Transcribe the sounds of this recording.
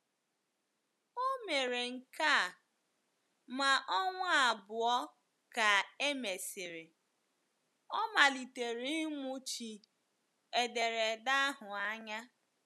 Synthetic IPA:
o˦me˨ɾe˨ŋ̩˨ka˦˨ | ma˨ʔɔ˦ŋʷʊ˦a˨bʊ˨ɔ˦ | ka˨e˦me˨sɪ˨ɾɪ˨ | ɔ˦ma˨li˨te˨ɾi˦ŋʷʊ˦t͡ʃi˨ | e˨de˨ɾe˨da˦ɦʊ˨a˦ɲa˦

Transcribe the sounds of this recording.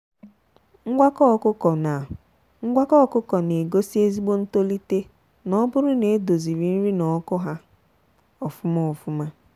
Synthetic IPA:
ŋ̩˦ɡʷa˦kɔ˦˨kʊ˦ɔ˨na˨ | ŋ̩˦ɡʷa˦kɔ˦˨kʊ˦kɔ˨ne˨ɡo˦si˦e˦zi˦ɡ͡bo˦n̩˦to˦li˦te˦ | nɔ˦bʊ˦ɾʊ˦ne˨˦do˨zi˨ɾi˨n̩˦ɾi˦nɔ˨˦kɔ˦ɦa˦ | ɔ˨fʊ˦mɔ˦ɔ˨fʊ˦ma˦

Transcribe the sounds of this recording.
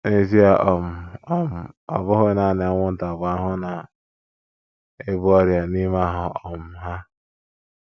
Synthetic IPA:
e˨zi˦a˨ʔɔ˨m̩˨ɔ˨m̩˨ɔ̰˨bʊ˦ɦʊ˦na˨nɪ˨a˦ŋʷʊ˦n̩˦ta˨ba˦ɦʊ˦na˨ | e˦bʊ˦ɔ˦ɾja˨ni˦m˦a˦ɦʊ˨ɔ˨m̩˨ɦa˦

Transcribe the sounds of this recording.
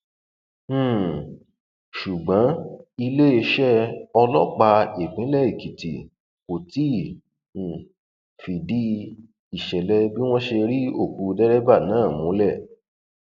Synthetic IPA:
ʃu˨ɡ͡bã˨˦i˧le˦e˧ʃɛ˦ɔ˧lɔ˦k͡pa˧e˨k͡pĩ˨˦lɛ˦˨i˨ki˨tḭ˨ | ko˨tĩ˨˦˨ | fi˨di˨˦ | i˨ʃɛ˨lɛ˧bi˦w̃ɔ̃˦ʃe˧ɾi˦o˦˨ku˨˧dɛ˦ɾɛ˦ba˦˨nãː˨˦˨mũ˨˦lɛ˦˨

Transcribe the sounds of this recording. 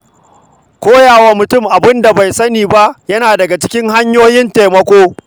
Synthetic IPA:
kʷoː˦jaː˨wa˦mʊ˨tʊ˦mʔa˨bɪ˦nda˨ba˨jsɐ˦niː˨ba˦ʔjɐ˦naː˨dɐ˨ɡa˨t͡ʃɪ̥˦kʲɪ˦ŋɦa˦ɲjoː˦jɪ˦nta˨mɐ˦kʷoː˦

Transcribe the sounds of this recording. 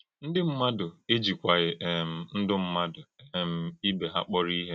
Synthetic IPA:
n̩˦dɪ˦m̩˦ma˦dʊ˨e˦d͡ʒi˨kʷa˨ɣɪ˨ʔe˨m̩˨n̩˦dʊ˦m̩˦ma˦dʊ˨e˨m̩˨i˦be˨ɦa̰˦k͡pɔ˦ɾi˦ɦe˦

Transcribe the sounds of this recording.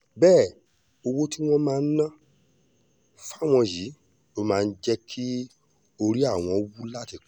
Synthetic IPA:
bɛː˦˨ | o˧wo˦ti˦w̃ɔ̃˦mãː˦˧n̩˦nã˦ | fa˦˨w̃ɔ̃˧ji˨˦ | o˦mãː˦˧n̩˦d͡ʒɛ˦kʰi˦ | o˧ɾi˦a˦˨w̃ɔ̃˧wu˦la˦ti˧˨

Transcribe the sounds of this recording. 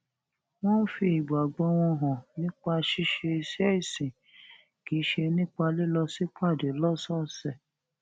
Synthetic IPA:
w̃ɔ̃˦fi˧i˨bu˨a˨ɡ͡bɔ˧˦w̃ɔ̃˧ɦɔ̃˨nĩ˦k͡pa˧ʃi˦ʃe˧se˦i˨sĩ˨ | ki˨˦ʃe˧nĩ˦k͡pa˧le˦lɔ˧si˦k͡pa˦˨de˨˦lɔ˦sɔ˦sɛ˨

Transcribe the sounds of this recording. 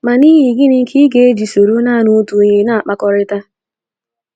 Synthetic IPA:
ma˨ni˦ɦi˨ɡɪ˦nɪ˦ŋ̩˦kʰi˦ɡe˦e˦d͡ʒi˨so˨ɾo˦na˦˨nu˦tu˨ɲe˨na˦˨a˨k͡pa˨kɔ˨ɾɪ˦ta˦

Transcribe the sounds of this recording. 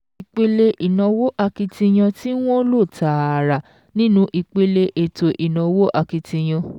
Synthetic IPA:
i˨k͡pe˧le˧ʔi˨nã˨˧wo˦ʔa˧ki˧tĩ˧j̃ã˧ti˦w̃ɔ̃˦lo˦˨ta˨ɾa˨ | nĩ˦nũ˦ʔi˧k͡pe˧le˧ʔe˨to˨ʔi˨nɔ̃˨˧wo˦ʔa˧ki˧tĩ˧j̃ã˧

